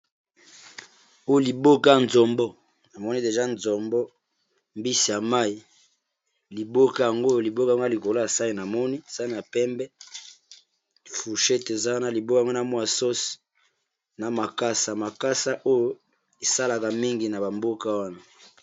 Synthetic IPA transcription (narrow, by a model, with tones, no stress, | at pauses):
o˦jo˦˨li˨bo˦ka˦a˨nzɔ˨mbɔ˦ | na˨mɔ˦ni˦de˨ʒa˦nzɔ˨mbɔ˦ | mbi˦si˨ja˨ma˦i˨ | li˨bo˦ka˦˨ja˨ŋɡo˦jo˨li˨bo˦ka˦˨˦ɡa˦˨li˨ko˨lo˦a˨sa˦i˨na˨mɔ˦ni˦e˨z̥a˦n˨a˨pɛ˦mbɛ˦ | fu˨ʃɛ˦te˨za˦wa˦na˦li˨bo˦ka˦˨ŋɡo˦na˨mwa˨so˦si̥˨ | na˨ma˨ka˦sa˨ma˨ka˦sa˦ʔo˦jo˦ | e˨sa˦la˨ka˨mi˦ŋɡi˨na˨ba˨mbo˦ka˦wa˦na˨